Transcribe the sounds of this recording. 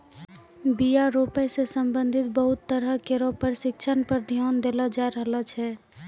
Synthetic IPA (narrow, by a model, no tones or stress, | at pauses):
bijaɾopɛsesəmbənd̪ʱit̪̚bəɦut̪ːəɾəkeɾopəɾsɪkt͡ʃʰənpəɾd̪ʱjoːnd̪eləd͡ʒaɾəɦlət͡ʃʰɛ